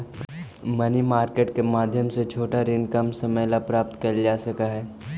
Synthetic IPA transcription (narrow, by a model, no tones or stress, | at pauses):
mɐnimaːɾkeːʈkemaːd̪ʱjəmset͡ʃʰoːʈaɾeːnkamsɐməjlapɾaːp̚t̪kɐld͡ʒaːsɐkaɦɛː